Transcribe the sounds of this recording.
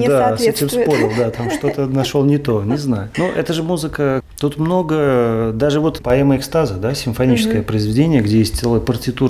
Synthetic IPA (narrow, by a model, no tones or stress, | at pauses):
d̪aɛtʲemsspo̞ɾʲɪlˠd̪at̪amʂt̪ot̪ənɐʂolˠnʲɪt̪o̞nʲɪznajʊnoʔɛt̪əʐɨmuzɨkət̪ut̪mno̞ɡəd̪aʐɨvo̞t̪pɐɛməɪkst̪azəd̪asʲɪmfɐnʲit͡ɕɪ̥skəjəpɾəɪzvʲɪdʲenʲɪjəɡdʲejesʲt̪̚ʲsɛlˠəjəpərtʲɪt̪u